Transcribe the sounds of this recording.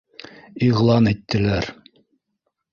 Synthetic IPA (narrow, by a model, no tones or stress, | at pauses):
iʁlˠɑnit̪ːɘ̆læɾ